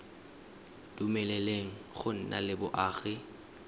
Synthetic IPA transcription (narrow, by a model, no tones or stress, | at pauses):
d̥umɛlɛleŋ̩χʊn̩na̰lɪbʊʔaːɣɪ